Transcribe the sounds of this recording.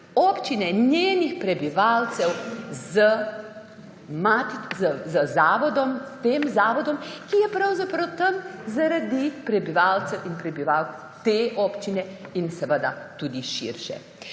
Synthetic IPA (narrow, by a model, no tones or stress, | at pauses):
ɔːpt͡ʃinɛnjeːnixpɾɛbiʋaːlt̪sɛwzə | mat̪zəzəzaːʋɔd̪ɔmst̪eːmzaːʋɔd̪ɔmkijɛpɾɐwzapɾɐwt̪ɐmzaɾad̪ipɾɛbiʋaːlt̪sɛwʔinpɾɛbiʋaw | t̪eːʔɔːpt͡ʃinɛinsɛʋəd̪at̪uːd̪iʃḭɾʃɛ̰